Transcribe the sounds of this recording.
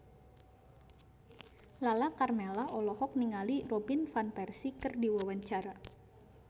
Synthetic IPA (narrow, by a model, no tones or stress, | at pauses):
lalakarmɛlaʔɔlɔhɔk̚niŋalirɔbinfanpɛrsikɨrdiwawaɲt͡ʃaɾa